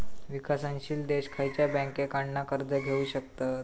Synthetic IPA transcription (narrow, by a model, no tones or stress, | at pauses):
ʋikasãnɕiːld̪eɕkʰajt͡ɕjabɛ̃ŋkekaɳɖnakəɾd͡zəɡʱeuɕək̚t̪at̪̚